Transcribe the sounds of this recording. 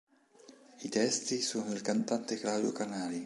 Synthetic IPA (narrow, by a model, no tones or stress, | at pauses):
it̪ɛst̪isuːnilkant̪ant̪ɛklawd̪iokanaːli